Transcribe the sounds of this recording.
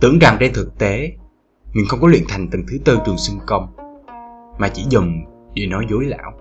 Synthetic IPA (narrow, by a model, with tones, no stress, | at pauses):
t̪ɨ̰˧˨əŋt͡ɕaː˨˩ŋt͡ɕe˧nt̪ʰɨ˨˩k̚t̪e˨˦ | mï˨˩ŋ̟xə˧wŋ͡mkɔ˨˦lwḭ˧˨ənt̪ʰa˨˩jŋ̟t̪ɨ˨˩ŋt̪ʰɨ˨˦t̪ɨ˧t͡ɕwɨ˨˩əŋsɨ˧ŋkə˧wŋ͡m | maː˨˩t͡ɕḭ˧˥zə˨˩ŋ͡m | ɗe˧˩nɔ˨˦jzo˨˦jla̰ː˧˨w